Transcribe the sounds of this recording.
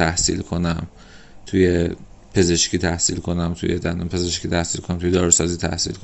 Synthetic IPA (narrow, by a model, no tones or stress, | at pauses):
æhsḭlkʰo̞næm | t̪ʰuje | pʰe̞ze̞ʃkʲiːt̪ʰæhsḭlkʰo̞næmt̪ʰṵjed̪ænompʰe̞ze̞ʃkiːt̪ʰæhsilkʰonæmt̪ʰujed̪ɒːɾosɒːziːt̪ʰæ̰hsḭlkʰo